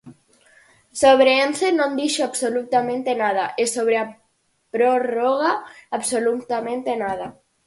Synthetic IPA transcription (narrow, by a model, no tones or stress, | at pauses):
soβɾeenθenõnd̪iʃoaβsolut̪amẽnt̪enað̞aʔesoβɾea | pɾoroɣaːβsolut̪amẽnt̪enað̞a